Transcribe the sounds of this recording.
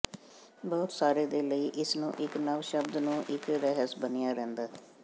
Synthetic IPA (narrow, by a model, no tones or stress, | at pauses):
bɔːʊt̪saːɾeːd̪eːləiːʔɪsnṵ̃ːʔɪknəʋʃəbd̪nũːʔɪkɾɛɦəsbənijaːɾɛ̃ːnd̪aː